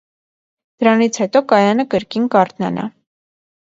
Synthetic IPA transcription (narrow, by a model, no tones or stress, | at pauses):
d̪̥əɾɑnit͡sʰhɛt̪ɔkɑjɑnəkəɾkinkɑɾt̪nɑ̰nʔɑ̰